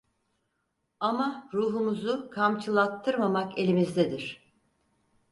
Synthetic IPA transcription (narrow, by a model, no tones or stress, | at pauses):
amaɾuːɦumuzukʰamt͡ʃʰɯlˠat̪ʰːɯɾmamake̞lʲimizd̪ɛd̪iɾ̥